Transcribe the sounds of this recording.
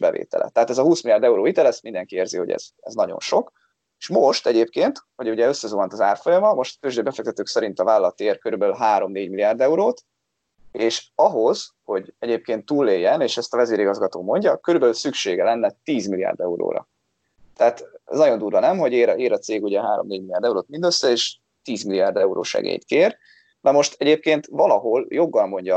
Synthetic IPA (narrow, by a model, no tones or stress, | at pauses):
bɛvḛːt̪ɛ̰lʔɛ̰t̪ːɛɦaːt̪ɛzɒhuːsmilijaːrd̪ɛuɾoːit̪ɛlɛsmind̪ɛŋkieːrziho̞̰ɟɛ̰z̥ɛ̰znɒɟo̞̰nʃo̞k | eʃmoʃt̪ɛɟeːp̚keːnt̪hoɟuɟɛø̞sːɛzuːvɒnt̪ɒzaːrfo̞jɒmɒmo̞ʃt̪føːʒd̪øːbɛfɛk̚t̪ɛt̪øːksɛɾint̪ɒvaːlːɒt̪eːrkøɾybɛlyɦaːɾo̞mneːɟmiliaːrd̪ɛuɾoːt̪ | eːʃɒɦo̞z̥ho̞ɟɛɟeːp̚keːnt̪ːuːlːeːjːɛneːʃɛst̪ɒvɛzeːɾiɡɒzɡɒt̪oːmo̞ɲɟɒkøɾybɛlysykʃeːɡɛlɛnːɛt̪iːzmilija̰ːrd̪ɛuɾo̰ːɾɒ̰ | t̪ɛat̪ɛnɒɟo̞nd̪uːrvʋɒnɛmɦo̞ɟeːɾeːɾɒt̪seːɡuɟɛɦaːɾo̞mneːɟmilijaːrd̪ɛuɾoːt̪mind̪øsːɛeːʃ | t̪iːzmiliaːrd̪ɛuɾo̰ːʃɛ̰ɡḛjt̪keːr | mɛmo̞ʃt̪ɛɟeːp̚keːnt̪vɒlɒɦo̞ljo̞ɡːɒlmo̞ɲɟɒ